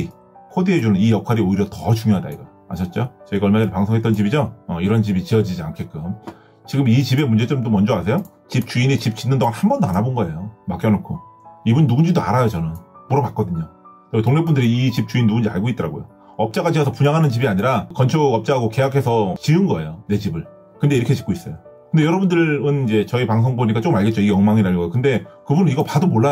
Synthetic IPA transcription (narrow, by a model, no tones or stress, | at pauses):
kʰodiɦe̞d͡ʑunɯnijʌkʰaɾioiɾjʌtʌt͡ɕuŋjoɦada̰iɡʌ | a̰ɕʰʌt̚t͡ɕ͈ot͡ɕʌiɡaʌɭmadɯɾpaŋsʰoŋɦet͈ʌnt͡ɕibid͡ʑoːiɾʌnt͡ɕibit͡ɕiʌd͡ʑid͡ʑia̰nkʰek͈ɯm | t͡ɕiɡɯmit͡ɕibe̞mund͡ʑe̞t͡ɕɯɾɯmt̬͈omʌnd͡ʑʌasʰe̞jo | t͡ɕip̚t͡ɕ͈uinit͡ɕip̚t͡ɕ͈inːɯndoŋanhambʌndoanabonɡʌe̞jomak͈jʌnokʰoibunːuɡund͡ʑidoaɾajot͡ɕʌnɯnmoɾʌbat̚k͈ʌdɯɲo | t͡ɕʌtoŋnep͈undɯɾiit͡ɕip̚t͡ɕ͈uinnuɡund͡ʑia̰ɭɡoit͈ʌɾaɡojo̰ | ʌp̚t͡ɕ͈aɣat͡ɕiɦesʰʌpuɲaŋɦanɯnt͡ɕibiaɲiɾakʌnt͡ɕʰoʌp̚t͡ɕ͈aɦaɡoke̞jakʰe̞sʰʌt͡ɕiɯnɡʌe̞jone̞d͡ʑibɯɭ | kɯnde̞iɾʌkʰe̞t͡ɕi̥k͈ois͈ʌjo | kɯndejʌɾʌbundɯɾɯnid͡ʑe̞t͡ɕʌipaŋs̬ʰoŋboɲik͈at͡ɕ͈omaɭɡet̚t͡ɕ͈oiɡeʌŋmaŋinaɭɡʌjokɯnde̞kɯbunɯniɡʌpadomoɭːa